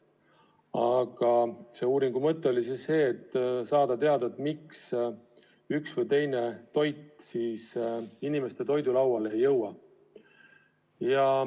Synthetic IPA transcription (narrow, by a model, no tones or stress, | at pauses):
ɑɡ̥ɑse̞ːuːɾiŋɡ̥umɤt̪ːˑe̞o̞lʲisisːe̞ːt̪ːsɑːd̪̥ɑt̪e̞ɑd̪ɑt̪miks | yksvɤjt̪e̞jne̞t̪o̞jt̪siːsinime̞st̪e̞t̪o̞jd̪ulɑwwɑle̞jːɤwɑ | jɑ